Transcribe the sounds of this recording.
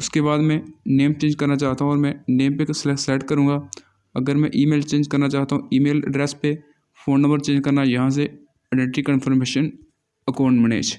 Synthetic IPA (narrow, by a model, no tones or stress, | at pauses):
ʊskebaːd̪mɛ̃neːmp̚t͡ʃẽːɲd͡ʒkɐɾnat͡ʃaːɦt̪aɦũɔːɾmɛ̃neːmpekssɛːʈkɐɾũːɡa | ɐɡəɾmɛ̃ʔiːmeːlt͡ʃẽːɲd͡ʒkɐɾnat͡ʃaːɦt̪aɦũiːmeːlɖɾɛːspe | fʰoːnːə̃mbəɾt͡ʃẽːɲd͡ʒkɐɾnajɐɦãs̬e | ɐɖə̃ɳʈikənfʰəɾmeːʃən | ɐkaːɳʈmɪnḛːt͡ʃʰ